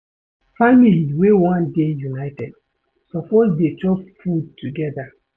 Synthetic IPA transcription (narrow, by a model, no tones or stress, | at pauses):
familiwewɔ̃ndejunaɪtɛd | sɔpɔsded͡ʒɔsfudtʰuɡɛda